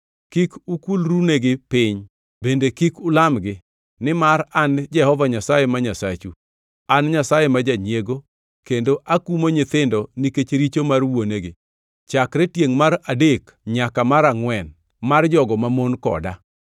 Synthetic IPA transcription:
kikʊkulɾuneɡɪpɪɲ | bendekikʊlamɡɪ | nɪmaɾand͡ʒɛhɔvaɲasajemaɲasat͡ʃu | anɲasajemad͡ʒaɲjeɡo | kendoʔakumoɲɪt̪ɪndɔniket͡ʃɾit͡ʃomarwoneɡɪ | t͡ʃakɾetjeŋmaɾadek | ɲakamaɾaŋwɛn | mard͡ʒɔɡɔmamonkɔ̰da̰

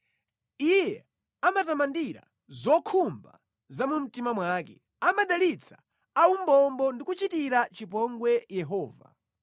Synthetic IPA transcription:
ijɛ | amatamandiɾa̰ | zɔkʰumba̰ | zamum̩timamwakɛ̰ | amaɗalit͡sʰḁ | aumbɔmbɔndikut͡ʃitiɾat͡ʃipɔŋɡwɛjɛɦɔːva̰

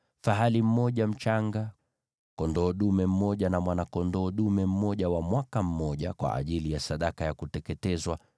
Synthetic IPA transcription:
faɦalim̩mɔʄam̩t͡ʃaŋɡa | kɔndɔːɗumɛm̩mɔʄanamwanakɔndɔːɗumɛm̩mɔʄawamwakam̩mɔʄakwa̰ʔːʄilijasaɗakajakutɛkɛtɛzwa

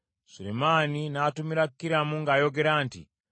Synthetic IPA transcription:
sulḛmaːninaːtumiɾakukːiɾamuŋɡaːjo̞ɡe̞ɾaːntḭ

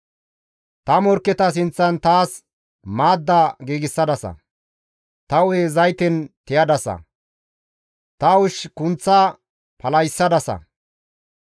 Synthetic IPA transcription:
t̪ɐmɔɾkːɛt̪ɐs̬ɪnt͡sːɐnt̪aːs | maːd̪ːaːɡiːɡɪsːɐd̪ɐsɐ̰ | t̪ɐwezɐjt̪ɛnt̪ɪjɐd̪ɐsɐ̰ | t̪ɐwʊʃkʊnt͡sːa | pɐlɐjsːɐd̪ɐsɐ̰

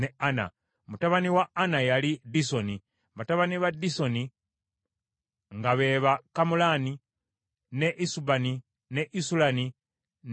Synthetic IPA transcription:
neana̰ | mutaβaniwaːnajalidisoni | βataβaniβadiso̞ni | ŋɡaβe̞βakamulani | neʔisubani | neʔisulani | n

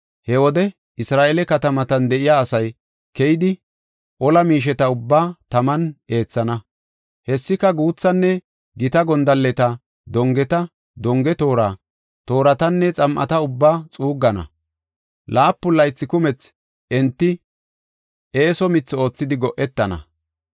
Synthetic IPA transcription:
hɛwɔd̪ɛ | ɪsɾaːʔelɛkɐt̪ɐmɐt̪ɐnd̪ɛʔɪjaːsɐj | kɛjɪd̪ɪ | ʔɔlɐmiːʃ̬ɛt̪ɐʊbːaːt̪ɐmɐne̞ːt͡sːɐnɐ | hɛsːɪkɐɡuːt͡sːɐnːɛ | ɡɪt̪ɐɡɔnd̪ɐlːɛt̪ɐ | d̪ɔŋɡɛt̪ɐ | d̪ɔŋɡɛt̪o̞ːɾaː | t̪o̞ːɾɐt̪ɐnːɛt͡sʼɐmʔɐ̰t̪ɐʊbːaːt͡sʼuːɡːɐnɐ̰ | laːpːʊlːɐjt͡sːɪkʊmɛt͡s | ʔɛnt̪ːɪ | e̞ːsɔmɪt͡sːo̞ːt͡sːɪd̪ɪɡɔʔɛt̪ːɐnɐ̰

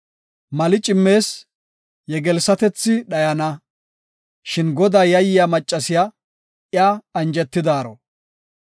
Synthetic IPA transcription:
mɐlɪt͡ʃʼɪmːe̞ːs | jɛɡɛlsɐt̪ɛt͡sːɪɗɐjɐnɐ | ʃɪnɡɔd̪aːjɐjɪjamɐt͡ʃʼːɐsɪja | ɪjaːɐnd͡ʒɛt̪ːɪd̪aːɾɔ̰

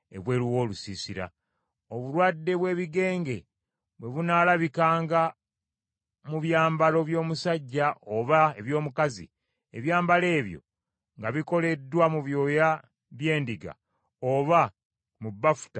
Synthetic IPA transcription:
e̞̰βwe̞ːliwo̞ːlusisiɾa̰ | oβuɾwadːe̞βwe̞ːβiɡe̞ːŋɡe̞ | βwe̞βunaːlaβikaːŋɡa | muβjaːmbalo̞βjo̞ːmusaɟːaʔoβaeβjo̞ːmukazḭ | e̞βjaːmbale̞ːβjo̞̰ | ŋɡaβiko̞le̞dːwamuβjo̞ja | βje̞ːndiɡa̰ | oβa | mubːafu̥ta

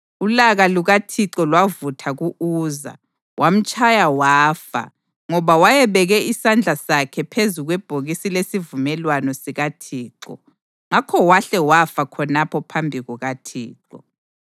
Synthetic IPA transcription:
ulaɣaluɣatʰiǁɔlwavutʰaɣuʔuːza̰ | wʔam̩t͡ʃʼajawaːfa̰ | ŋɔβawajɛβɛɣɛisand͡ɮʱasakʰɛpʰezuɣwɛb̥ʱoɣisilesivumɛlwanɔsiɣatʰiːǃɔ̰ | ŋakʰɔwaɬɛwafakʰɔnapʰɔpʰambʱiɣuɣatʰḭːǃɔ

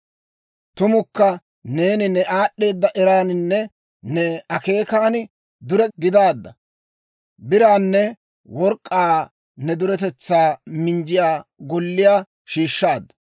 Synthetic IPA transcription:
t̪ʊmʊkːɐ | ne̞ːnɪnɛʔaːɗːe̞ːd̪ːɐʔɛɾaːnɪnːɛ | nɛɐke̞ːkaːnɪ | d̪ʊɾɛɡɪd̪aːd̪ːɐ | bɪɾaːnːɛ | wɔɾkʼːaː | nɛd̪ʊɾɛt̪ɛt͡sːaːmɪnd͡ʒɪjaːɡɔlːɪjaː | ʃiːʃːaːd̪ːɐ̥

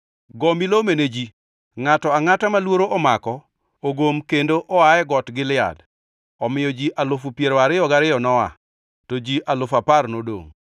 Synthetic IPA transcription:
ɡɔmilomened͡ʒi | ŋatɔaŋatamalwoɾoʔɔmakɔ | oɡomkendoʔɔajɛɡɔtɡɪlɪa̰d | ɔmɪjɔd͡ʒiʔalʊfupjeɾɔaɾɪɔɡaɾɪɔnɔa̰ | tod͡ʒiʔalʊfaparnodo̰ŋ

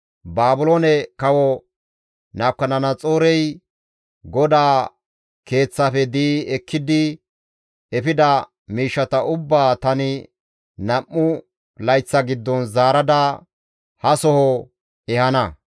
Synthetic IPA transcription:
baːbʊloːnɛkɐwɔ | naːkːɐnɐnɐt͡sʼoːɾɛj | ɡɔd̪aː | ke̞ːt͡sːɐfɛd̪iːɛkʰːɪd̪ɪ | ɛfɪd̪ɐ | miːʃːɐt̪ɐʊbːaːt̪ɐnɪ | nɐmːʊ | lɐjt͡sːɐɡɪd̪ːɔnzaːɾɐd̪ɐ | hɐsɔhɔ | ɛhɐnɐ

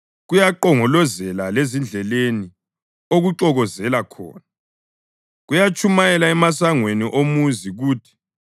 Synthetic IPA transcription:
ɣujaǃɔŋɔlɔzɛlalezind͡ɮʱɛleni | oɣuǃɔɣɔzɛlakʰɔ̰ːna | ɣujat͡ʃʼʰumajɛlaɛmasaŋweniʔomuziɣuːtʰi̥

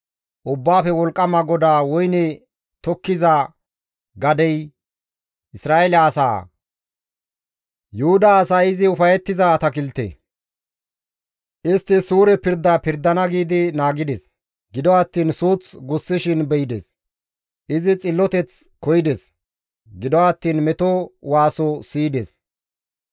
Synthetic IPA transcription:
ʔʊbːaːfɛwɔlkʼːɐmɐɡɔd̪aːwɔjnɛ | t̪ɔkːɪza | ɡɐd̪ɛj | ʔɪsɾaːeɛlɐːsa̰ː | jʊhʊd̪ɐːsaːɪzɪʊfɐjɛt̪ːɪzɐːt̪ɐkɪlt̪ḛː | ʔɪst̪ːɪsuːɾɛpɪɾd̪ːapɪɾd̪ːɐnɐɡiːd̪ɪnaːɡɪd̪ɛs | ɡɪd̪ɔɐt̪ːiːnsuːt͡sɡʊsːɪʃɪnbɛjd̪ɛs | ʔɪzɪt͡sʼɪlːɔt̪ɛt͡s | kɔjɪd̪ɛs | ɡɪd̪ɔɐt̪ːiːnmɛt̪ɔwaːsɔsiːd̪ɛs

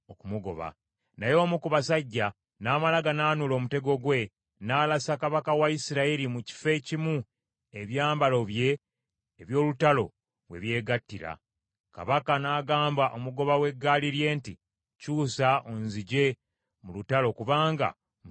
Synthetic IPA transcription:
okumuɡo̞̰βa̰ | najo̞ːmukuβasaɟːa | naːmalaɡanaːnulo̞ːmute̞ɡo̞ɡwe̞ | naːlasakaβakawaisiɾaeɾimuci̥fe̞cimu | e̞βjaːmbalo̞βje̞ː | βjo̞ːlutalo̞ | βwe̞̰βje̞ːɡatːiɾa̰ | ka̰βakanaːɡaːmbaʔo̞muɡo̞βawe̞ɡːaliɾje̞ːnti | cuːsaʔonziɟe̞ | mulutalo̞kuβaːŋɡa̰ | m

